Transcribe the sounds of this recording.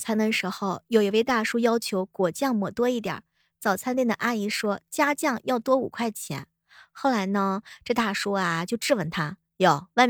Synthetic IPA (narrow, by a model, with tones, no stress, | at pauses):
t͡sʰa˥nd̪ə˧ʂɻ̩˧˥xo˥˧ʊjo˨˩ʊi˧˩we˥˧ɪt̪a˥˩ʂu˥jɑ˥ʊt͡ɕʰjo˧˥ʊkwɔ˨˩t͡ɕjɑ˥˩ŋmɔ˨˩t̪wɔ˥i˥˩t̪jɑ̰˨˩˦ | t͡sɑ˨˩ʊt͡sʰa˥nt̪i˥˩nd̪ə̰˩ʔa˥˩i˧˥ʂwɔ˥t͡ɕja˥t͡ɕjɑ˥˩ŋjɑ˥˩ʊt̪wɔ˥ṵ˨˩kʰwa˥˩ɪt͡ɕʰjɛ̰˧˥n | xo˥˩ʊla˧˥ɪnə˧ʈ͡ʂɤ˥˧t̪a˥˩ʂu˥a˨˩t͡ɕjo˥˧ʊʈ͡ʂɻ̩˥˩wə˧˩nt̪ʰa˥ | jɔ˨˩wɪ